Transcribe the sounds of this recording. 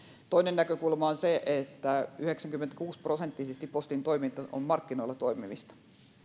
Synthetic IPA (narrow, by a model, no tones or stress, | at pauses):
t̪oinennækøkulmɑonseʔet̪ːæyheksæŋkymːent̪æ̥kuːsprosent̪ːisest̪ippost̪int̪oimint̪ɑʔo̰mmɑrkːinoilːɑt̪oimḭʋist̪ɑ̥